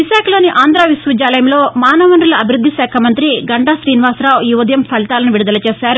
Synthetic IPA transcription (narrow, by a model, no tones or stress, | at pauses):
ʋiʃaːkʰɐlo̞ːniʔaːnd̪ɾaːʋisʋud͡ʒaːlɐjɐmlo̞ːmaːnɐʋɐnɾulɐɐbʱiɾud̪ʱːiʃɛːkʰɐmɐnt̪ɾiɡɐɳɖaːʃɾiːniʋaːsɾaːwjuʋɐd̪ʱjɐmpʰɐlit̪aːlɐnuʋiɽud̪ɐlɐt͡ʃeːʃaːɾu